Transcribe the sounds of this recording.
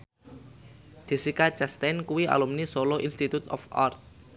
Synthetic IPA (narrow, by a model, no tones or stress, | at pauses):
d̪̥i̤sikat͡ʃast̪ankuwia̰lumnisoloʔinst̪it̪ut̪ɔ̰fa̰rt̪̚